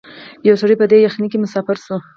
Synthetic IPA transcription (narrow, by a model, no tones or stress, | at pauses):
jawsəɽijpəd̪ejaxnikemʊsɑfɪɾsu